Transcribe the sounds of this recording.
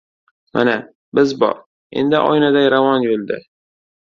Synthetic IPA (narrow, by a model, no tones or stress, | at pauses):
ma̰na | bɪzbɒ̰ɾ | e̞̰nd̪ɪʔɒ̰jnad̪aɾavɒnjolˠd̪ɪ̰